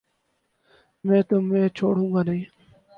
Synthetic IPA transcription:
mɛ̃ːt̪oːmẽːt͡ʃʰoːɽũːɡaːnəĩː

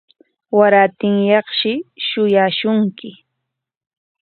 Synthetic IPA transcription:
waɾaːt̪ɪŋjɑχʃɪʃʊjaːʃʊŋkɪ

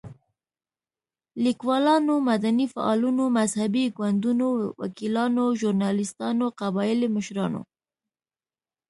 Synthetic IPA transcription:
likwɑlɑnomad̪anifa̰ʔɑlunomazhabiɡwand̪unowa̰kilɑnoʒuɾnɑlɪst̪ɑnoqabɑjɪliməʃɾɑno̰

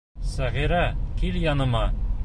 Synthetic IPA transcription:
sæʁiɾækiljɒnɤ̆mɑ

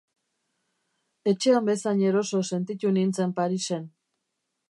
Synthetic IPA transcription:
e̞t͡ʃe̞ambe̞saɲe̞ɾo̞so̞se̞nt̪it̪unint͡se̞mpaɾise̞n

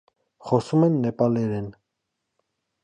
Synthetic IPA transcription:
χɔsumɛnːɛpɑlɛɾɛn

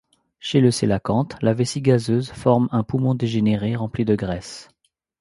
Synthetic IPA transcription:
ʃeləselakɑ̃t̪lavesiɡazøzfɔʁmɛ̃pumɔ̃d̪eʒeneʁeʁɑ̃plid̪əɡʁɛs

